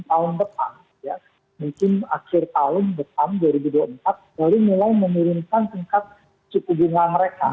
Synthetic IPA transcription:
t̪aɦʊndəpa̰m | ja | muŋkɪna̰kɪrt̪aɦʊndəpamduaɾibuduaəmpat̪̚dalunilajməŋiɾimkant̪əŋkat̪̚ | t͡ʃukubuŋanməɾeka̰

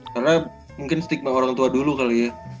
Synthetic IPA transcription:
karna | muŋkɪnsət̪ik̚maoɾaŋt̪uadulukalija

